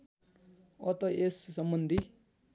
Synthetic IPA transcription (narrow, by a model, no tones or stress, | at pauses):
ʌt̪ʌʔesːʌmbʌnd̪ʱi